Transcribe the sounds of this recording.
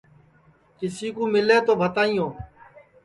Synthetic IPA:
kɪsiːkũːmɪleːt̪oːbʱət̪aːijõː

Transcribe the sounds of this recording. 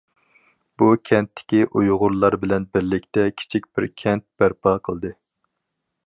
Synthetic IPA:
b̥ukʲʰɛnt̪ʰːɪ̥kʲiʔujʁʊɾlˠɑɾbɪlɛnbɪɾlɪkʲt̪ɛkʲʰi̥t͡ʃʰik̚ʲbɪɾkʲʰɛnt̪̚b̥æɾpʰɑqʰəlˠd̪ɨ

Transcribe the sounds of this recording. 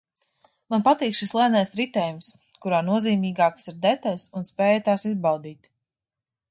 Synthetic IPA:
manpat̪iːkʃislˠɛnajsɾit̪ɛːjums | kuɾaːnuɔziːmiːɡaːksiɾd̪ɛt̪alʲsunspɛːjat̪aːsizbawd̪iːt̪

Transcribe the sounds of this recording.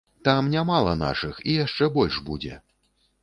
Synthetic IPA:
t̪amnʲamalˠɐ̰na̰ʂɨxijaʂt͡ʂɛbɔlʲʂbud͡zʲɛ̰

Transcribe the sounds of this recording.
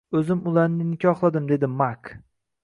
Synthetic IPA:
ɵzɪmʊlˠaɾnɪnɪkʲʰɒχlˠad̪ɪmd̪e̞d̪ɪmak

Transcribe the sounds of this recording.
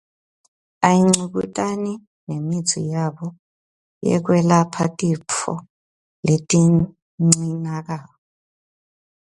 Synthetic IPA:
ajiŋ͡ǀuk̬utʼani | nemi̥t͡sʰḭjaɓɔ | jɛ̰k̬wɛlapʰatʼipʰɔ̰ | letʼi | ŋ͡ǀinak̬aː | ɔ

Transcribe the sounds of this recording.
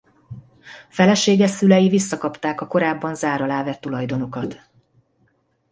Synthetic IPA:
fɛlɛʃeːɡɛsylɛjivisːɒkɒpt̪aːkɒko̞ɾaːbːɒnzaːɾɒlaːvɛt̪ːulɒjd̪o̞no̞kɒt̪

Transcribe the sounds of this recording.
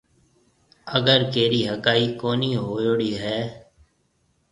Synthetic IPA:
əɡəɾkeːɾiːɦəkaːiːkoːniːɦoːjoːɽiːɦɛː

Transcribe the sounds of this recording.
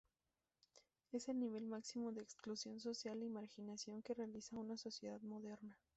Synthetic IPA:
e̞se̞lniβ̞e̞lmaksimo̞ðeːksklusjo̞ns̬o̞sjalimaɾxinasjo̞ŋke̞realisaunaso̞sje̞ðaðmo̞ðe̞ɾna

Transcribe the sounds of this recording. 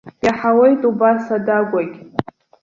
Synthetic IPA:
jaħawe̞jtʼubasadaɡʷakʲʼ

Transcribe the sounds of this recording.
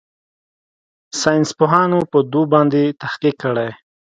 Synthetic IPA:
sɑjnspoɦɑnopəd̪ubɑnd̪et̪ahqikːəɽaj

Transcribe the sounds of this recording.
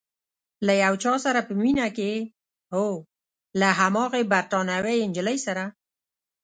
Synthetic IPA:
lajawt͡ʃɑsaɾapəminake | ho | laɦamɑɣebaɾt̪ɑnawejɪnd͡ʒələjsaɾa

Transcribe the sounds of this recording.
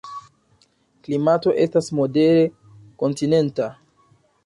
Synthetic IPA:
klimato̞ʔe̞stasmo̞de̞ɾe̞ | ko̞ntine̞nta

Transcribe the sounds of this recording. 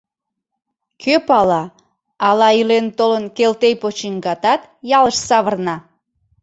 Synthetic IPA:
kʰøpɑlɑ | ɑlɑilent̪olənkelt̪ejpot͡ɕiŋɡɑt̪ɑt̪jɑləʃsɑβərnɑ

